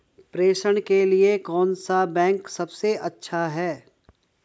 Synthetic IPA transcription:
pɾeːʃəɽ̃keliekɔːnsabɛ̃ːŋksɐbseʔɐtːʃʰaɦɛː

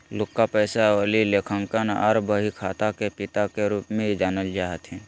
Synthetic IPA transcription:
lʊkːapɛːsaoːlileːkʰə̃ŋkənɔɾbəɦikʰaːt̪akepɪt̪akeɾuːpmẽid͡ʒaːnəld͡ʒaːɦət̪ɦɛ̃ː

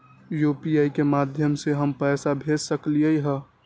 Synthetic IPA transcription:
juːpiaikemaːd̪ʱjəmseɦəmpɛːsabʱed͡ʒsəkliəiɦɛ

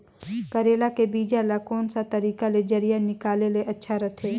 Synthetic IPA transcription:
kɐɾeːlakebiːd͡ʒalakɔːnsat̪ɐɾiːkaled͡ʒɐɾijanɪkaːleleʔɐtːʃʰaɾɐt̪ʰeː

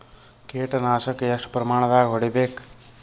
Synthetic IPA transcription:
keːʈɐnaːsɐkːjɐʂʈpɾɐmaːɳɐd̪aːɡiɦoɽibeːk

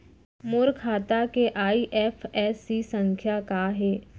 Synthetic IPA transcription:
moɾkʰaːt̪akeʔaːiʔɛːfʰɛːsisə̃ŋkʰjakaːɦeː

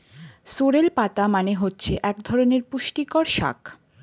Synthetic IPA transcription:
soɾelpat̪amaneɦotːɕʰeʔɛkd̪ʱɔɾoneɾpuʃʈikɔɾʃa̰k

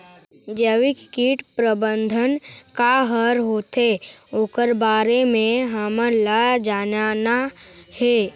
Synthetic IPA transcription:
d͡ʒəʋɪkkiːʈpɾəbə̃nd̪ʱənkaɦəɾɦoːt̪eoːkəɾbaːɾemẽɦəmələd͡ʒaːnanaheː

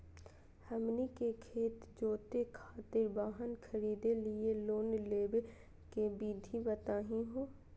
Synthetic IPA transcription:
hɐmnikekʰeːt̪d͡ʒoːt̪ekʰaːt̪ɪɾbaːɦənkʰəɾiːd̪elɪeloːnleːbe | kebiːd̪ʱibət̪aːɦĩɦoː

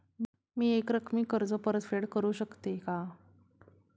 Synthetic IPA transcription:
miːekɾəkʰmiːkəɾd͡zəpəɾət̪feɽkəɾuːɕəkt̪eka

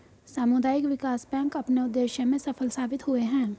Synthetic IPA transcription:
saːmʊd̪aːjɪkʋɪkaːsbɛ̃ːŋkɐpneʊd̪ːeːʃjəmẽsɐfʰəlsaːbɪt̪ɦʊeɦɛ̃ː

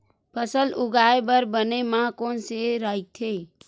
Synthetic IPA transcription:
pʰəsəluɡaebəɾbənemãkonseɾait̪ʰe

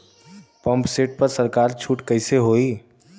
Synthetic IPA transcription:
pə̃mpseːʈ̚pəɾsəɾkaːɾt͡ʃʰuːʈkəɪseɦoːi

